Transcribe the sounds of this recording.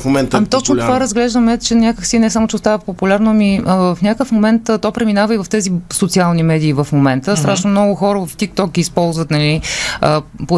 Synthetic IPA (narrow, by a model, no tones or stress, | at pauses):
omɛnt̪amit̪ɔt͡ʃnot̪ovaɾəzɡlɛʒd̪əmɛt͡ʃɛnʲakəksinɛsamot͡ʃɛost̪avəpopulʲaɾnomiəvɐfnʲakəfmomɛnt̪t̪ɔjpɾɛminavəivɐft̪ɛzisot̪sialˠnimɛd̪iːvɐfmomɛnt̪əst̪ɾaʃnomnɔɡʊxɔɾəvəft̪ik̚t̪ɔɡʲiːspɔlˠzvət̪nɐliəpo